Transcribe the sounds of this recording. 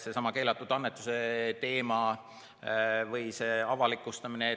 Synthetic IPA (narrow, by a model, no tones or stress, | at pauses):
sesɑmɑke̞ːlɑt̪ːˑud̪̥ɑnːet̪ːˑuse̞t̪e̞ːmɑ | vɤjse̞ːɑvɑlikːˑust̪ɑmine